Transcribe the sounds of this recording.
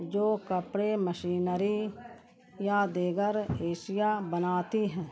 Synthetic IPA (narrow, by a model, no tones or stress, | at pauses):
d͡ʒoːkəpɽeməʃiːnəɾi | jad̪eːɡəɾeːʃɪjabənaːt̪iɦɛ̃ː